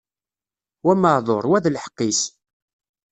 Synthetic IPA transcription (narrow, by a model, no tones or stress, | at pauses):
wæməʕðˤoɾˤwæðlħə̥qːis